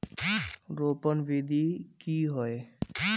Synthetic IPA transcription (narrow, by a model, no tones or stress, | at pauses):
ɾopɔnbid̪ʱikiɦɔe